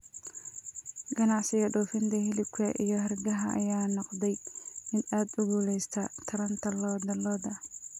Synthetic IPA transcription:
ɡ̥ɐnɑʕsɪjɐɖuːfɪnt̪ʰɐɦɪlɪb̚kʰɐʔijɞɦɐrɡɐɦɐʔɐ̰jaːnɔqd̪ɛjmɪd̪aːd̪ʊɣuːlɛjst̪ʰɐt̪ʰɐɾɐnt̪ʰɐlɔːd̪ɐlɔːd̪ɐ

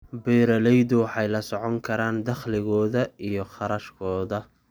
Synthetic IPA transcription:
bɛːɾɐlɛjðʊwɑħɑjlɐsɔʕɔŋkʰɐɾaːnd̪ɐχlɪɣɔːðɐijɔχɑɾɐʃkʰɔːðɐ

